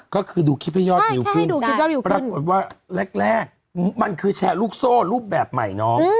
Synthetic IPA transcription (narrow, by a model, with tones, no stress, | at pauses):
kɔː˥˩kʰɯː˧duː˧kʰi˦˥pʰɛ˦˧˩jɔː˥˩t̪̚i˨˧˩wkʰɯ˥˧˥nduː˧˦˥jɔː˥i˧˩˧pɾa˧˥kno˨˩t̪̚waː˥˩le˦˥˩k̚lɛː˥˩k̚ | ma˧nkʰɯː˧t͡ɕʰɛː˧˩ɾuː˥˩k̚soː˥˩ɾuː˥˩p̚bɛː˨˩p̚ma̰˨˩jnɔː˦˥ŋ˧